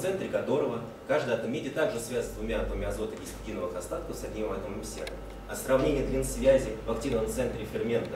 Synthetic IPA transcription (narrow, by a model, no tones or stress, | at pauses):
t̪sɛnt̪ɾʲɪkɐt̪o̞ɾəvə | kaʐd̪əjat̪əmːʲedʲɪət̪aɡʐɨsvʲæzʲsʲvʊmʲaɐt̪vəmʲɪɐzo̞t̪əʔʲisʲtʲɪdʲinəvəxɐst̪at̪kəsɐdʲnʲimɪvɛt̪əməmʲsʲḛrə̰ | ɐsrɐvnʲenʲɪjəd̪lʲinsvʲæzʲɪvɐkt̪ʲinəvəmt̪sɛnt̪ɾʲɪfʲɪrmʲe̞nt̪ə